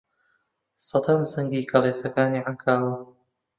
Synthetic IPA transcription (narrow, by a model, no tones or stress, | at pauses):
sɑt̪ʰɐnsɐŋɡiːkʰɐleːsɐkaːniːʕaŋkʰaːwɐ